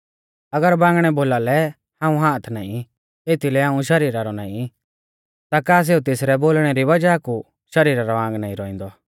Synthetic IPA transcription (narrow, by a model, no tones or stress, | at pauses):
ɐɡəɾbãːŋɡɽ̃ɛboːlalɛ | hãːũɦaːt̪ʰna̰ːĩ | eːt̪ʰilɛɦãːũʃɐɾiːɾaɾɔnã̰ːĩ | t̪akaːs̬eːut̪eːsɾɛboːlɽ̃ɛɾiʋɐd͡ʒaku | ʃɐɾiːɾaɾɔãːŋɡnaːĩɾɔːĩnd̪ɔ